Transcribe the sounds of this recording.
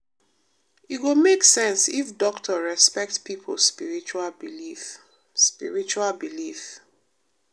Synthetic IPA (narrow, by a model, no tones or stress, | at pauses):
itɡomeksɛ̃nsifdɔktʰɔɹɛspɛk̚tpipʰo̰spiɹit͡ʃuabilif | spḭɹit͡ʃualbilif